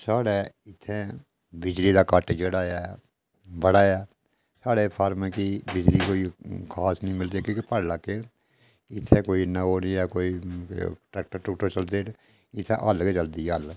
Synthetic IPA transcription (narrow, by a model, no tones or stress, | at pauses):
saːɽɛː | ɪt̪ʰːẽː | bɪd͡ʒliːd̪aːkaːʈːd͡ʒəɽaːjaː | bəɽaːjaː | saːɽeːpʰaːɾmẽːkibɪd͡ʒliːkoːikʰaːsnəĩːmɪld̪iɛːkĩːkipəɽlakːeː | ɪt̪ʰːẽːkoːiːnaoːnĩːɛːkoːiː | ʈɛːk̚ʈəɾʈʊkʈoːt͡ʃəld̪eːɾ | ɪt̪ʰːẽʔəlket͡ʃəld̪iːɛəl